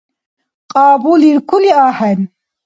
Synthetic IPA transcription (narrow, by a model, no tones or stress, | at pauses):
qʼaːbuliɾkʰuliaːħɛn